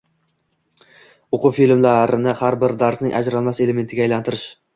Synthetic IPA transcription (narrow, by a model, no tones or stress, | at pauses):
oqʰʊfilmlaɾɪnɪhaɾbɪɾd̪aɾsnɪŋʔa̰d͡ʒɾalˠmase̞leme̞nt̪ʰɪɡʲaːjlant̪ʰɪɾɪʃ